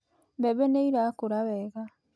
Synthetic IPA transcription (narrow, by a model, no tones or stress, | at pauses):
βeβeneiɾakuɾaβeːɣa